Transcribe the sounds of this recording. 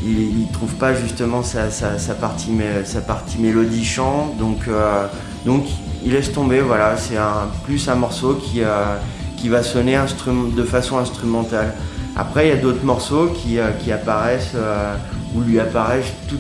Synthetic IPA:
iilt̪χuvpaʒyst̪əmɑ̃sasasapaʁt̪ʰimesapaʁt̪ʰimelɔd̪iʃɑ̃d̪ɔ̃kø | d̪ɔ̃kilɛst̪ɔ̃bevwalasɛɛ̃plysɛ̃mɔʁsokʲʰiøkʲivasɔneɛ̃st̪χymɑ̃d̪əfasɔ̃ɛ̃st̪χymɑ̃t̪ala̰pχɛiljad̪ot̪χmɔʁsokʲʰiøkʲiapaʁɛsøulɥiapaʁɛst̪u

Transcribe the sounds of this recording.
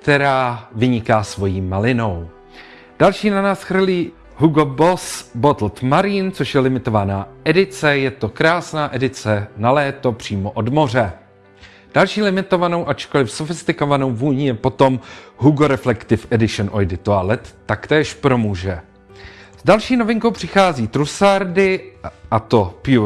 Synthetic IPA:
kt̪ɛɾaːvɪɲɪkaːsvo̞jiːmalɪno̞w | d̥alʃiːnanaːsxr̩liː | ɦuɡobosbot̪l̩t̪maɾiːnt͡soʃjɛlɪmɪt̪o̞vanaːʔɛdɪt͡sɛjɛt̪o̞kɾaːsnaːʔɛdɪt͡sɛnalɛːt̪o̞pr̝̥iːmo̞ʔo̞dmo̞r̝ɛ | d̥alʃiːlɪmɪt̪o̞vano̞wʔat͡ʃko̞lɪfsofɪst̪ɪko̞vano̞wvuːɲijɛpo̞t̪o̞mɦuɡoɾɛflɛkt̪ɪfɛdɪʃɛnʔojdɪt̪oalɛt̪ːakt̪ɛːʃpɾo̞muːʒɛ | z̥dalʃiːno̞vɪŋkowpr̝̥ɪxaːziːt̪ɾusaɾdɪʔat̪o̞pu

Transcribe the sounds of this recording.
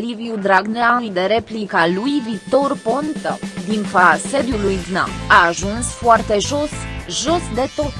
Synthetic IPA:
liviud̪ɾaɡneaid̪eɾeplikalujvit̪o̞rpont̪ə̰d̪infase̞d̪julujɡna̰aːʒunsfoart̪eʒosʒo̞sd̪e̞t̪o̞t̪

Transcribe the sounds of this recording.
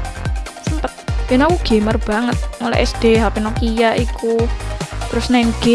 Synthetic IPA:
səmpət̪̚benakuɡ̥emərb̥a̤ŋət̪̚ŋəlɛ̰ʔɛ̰sd̥eɦapinokijaʔiku | t̪ɾʊsnanɡ̥e

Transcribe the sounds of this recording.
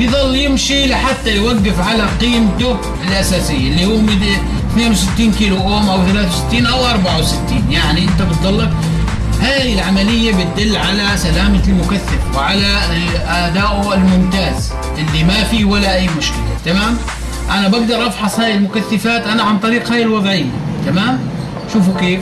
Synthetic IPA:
bjðˤɑlːjɪmʃilɪħat̪ːajwaɡːɪfʕalaqiːmt̪oːb | ɪlʔasaːsɪjːaʔlːihuːmɪ | θneːnwsɪt̪ːiːnkiːluʔoːmʔawθalaːθwsɪ̥t̪ːiːnʔawʔɑɾˤbaʕawsɪt̪ːiːnjaʕniʔɪnt̪abɪt̪̚d̪ˤɑlːɪb | haːjɪlʕamalɪjːabɪt̪̚d̪ɪlːʕalasalaːmalmʊkaθːafwɪʕalaʔad̪aːʔʊɪlmʊmt̪aːz | ʔɪlːimafiwalaʔajːmʊʃkɪla̰t̪amaːm | ʔanabaɡ̚d̪ɑɾˤʔɑbħɑsˤhaːjɪlmʊkaθːafaːt̪ʔanaʕant̪ˤɑɾiːqhaːjɪlwɑðˤʕɪjːa̰t̪amaːm | ʃuːfkeːf

